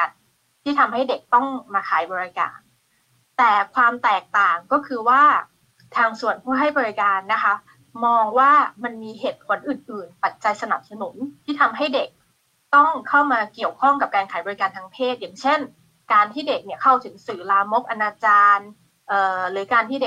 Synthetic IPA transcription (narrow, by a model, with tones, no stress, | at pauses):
a˨˧n | t̪ʰiː˥˩t̪ʰa˧mɦa˥˩jde˨˩k̚t̪ɔ˥˩ŋmaː˧kʰaː˩˦jbɔː˧ɾi˧ka̰ː˧n | t̪ɛː˨˩kʰwaː˧mt̪ɛː˨˩k̚t̪aː˨˩ŋkɔː˥˩kʰɯː˧waː˥˩ | t̪ʰaː˧ŋsu˨˩ənpʰuː˥˩ɦa˥˩jbɔː˧ɾi˧˥kaː˧nːa˦˥kʰa˦˥ | mɔː˧ŋwaː˥˩ma˧nmiː˧ɦeː˨˩t̪̚pʰo˨˩˦nʔɯː˨˩nʔɯː˨˩npa˨˩t̪̚t͡ɕa˧jsa˧na˨˩p̚sa˧nu˩˦nt̪ʰiː˥˩t̪ʰa˧mɦa˥˩jde˨˩k̚ | t̪ɔ˥˩ŋkʰa˥˩wmaː˧ki˨˩əwkʰɔ˥˩ŋka˨˩p̚kaː˧nkʰaː˩˦jbɔː˧ɾi˧kaː˧nt̪ʰaː˧ŋpʰeː˥˩t̪̚jaː˨˩ŋt͡ɕʰe˥˩n | kaː˧nt̪ʰiː˥˩de˨˩k̚ni˥˩ɐkʰa˥˩wt̪ʰɯ˩˦ŋsɯː˩laː˧mo˦˥k̚ʔa˧naː˧t͡ɕaː˧n | ʔɤː˨˩ɾɯː˩˦kaː˧nt̪ʰiː˥˩de˨˩